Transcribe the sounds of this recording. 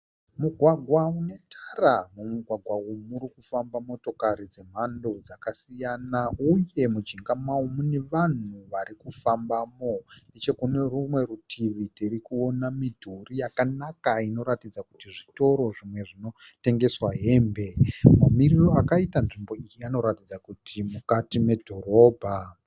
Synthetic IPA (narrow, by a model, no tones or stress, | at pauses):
muɡʱwaɡʱwaune̞tʰaramumuɡʱwaɡʱwaumuɾikufambamo̞to̞kaɾid͡ze̞m̤ando̞d͡zakasijanauje̞mud͡ʒiŋɡamaumune̞ʋan̤uʋarikufambamoet͡ʃe̞kune̞rumwe̞rutʰiʋitiɾikuo̞namidʱurijakanakaino̞ɾatid͡zakutiʐito̞ɾo̞ʐimwe̞ʐino̞te̞ŋɡe̞swaɦe̞ːmbe̞mamiriro̞akaitanʐimbo̞ijiano̞ɾatid͡zakutʰimukatime̞dʱo̞ɾo̞ːbʱa